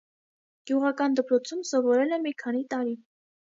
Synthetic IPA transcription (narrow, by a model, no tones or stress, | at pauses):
ɡ̥juʁɑkɑnd̪əpɾɔt͡sʰumsɔvɔɾɛlɛmikʰɑnit̪ɑɾi